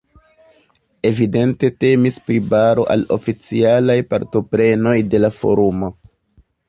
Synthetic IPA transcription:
e̞vide̞nte̞te̞mispɾibaɾo̞̰ʔa̰lo̞̰fit͡sialajpaɾto̞pɾe̞no̞jde̞lafo̞̰ɾumo̞

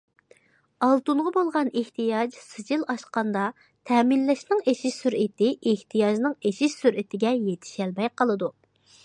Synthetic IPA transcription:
ɑlˠt̪uɴʁɑbolˠʁɑneht̪ʰijɑd͡ʒsɨd͡ʒilˠɑʃqɑnd̪ɑ | t̪ʰɛːminlɛʃnɪŋeʃiʃsyɾɪt̪ɪeht̪ʰijɑd͡ʒnɨŋeʃiʃsyɾʔɪt̪ʰɪɡʲɛjet̪ʰɪ̥ʃɛlmɛjqʰəlˠɨd̪u

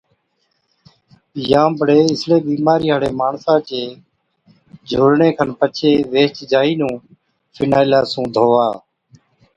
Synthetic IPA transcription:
jãːbəɽeːɪsleːbiːmaːɾiːɦaːɽeːmaːɳsãːt͡ʃeː | d͡ʒʱoːɽɳeːkʰənpət͡ʃʰeːʋeːt͡ʃd͡ʒaːiːnũː | fʰɪnaːɪlaːsũːd̪ʱoːʋaː

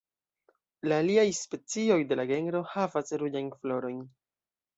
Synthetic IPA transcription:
laːliajspe̞t͡sio̞jde̞laɡe̞nɾo̞havasɾud͡ʒajnflo̞ɾo̞jn

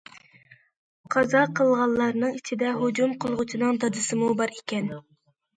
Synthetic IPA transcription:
qʰɑzɑqʰəlˠʁɑlˠːɑɾnɨŋit͡ʃʰid̪ɛɦʊd͡ʒumqʰəlˠʁʊt͡ʃʰinɨŋd̪ɑd̪ɨsɨmubɑɾikʲɛn

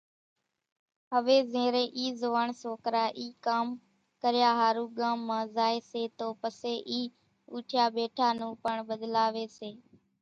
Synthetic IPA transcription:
ɦəʋeːzẽːɾẽːʔiːzoʋaːɳsoːkɾaːʔiːkaːm | kəɾɪjaːɦaːɾuːɠãːmːãːzaːeːseːt̪oːpəseːʔiː | uːʈʰjaːɓeːʈʰaːnũːpəɳɓəd̪laːʋeːseː

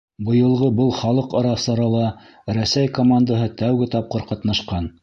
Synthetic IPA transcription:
bɤ̆jɤ̆lˠʁɤbɤlˠχɑlˠɤqɑɾɑsɑɾɑlˠɑ | ɾæsæjkomand̪aɦɤt̪æwɡɘt̪ɑp̚qɤɾqɑt̪nɑʃqɑn

